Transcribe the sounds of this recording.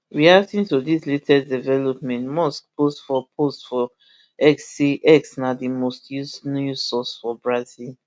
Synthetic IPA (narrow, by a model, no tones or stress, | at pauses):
ɹiatĩntudisletʰɛdivɛlopmɛ̃ntmɔskpʰostfɔpʰostfɔ | ɛksiʔɛksnadimostjusnusɔsfɔbɹazil